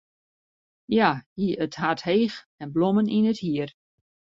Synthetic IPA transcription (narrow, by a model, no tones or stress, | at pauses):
jajiəthatheːx | ɛnbloməninəthiər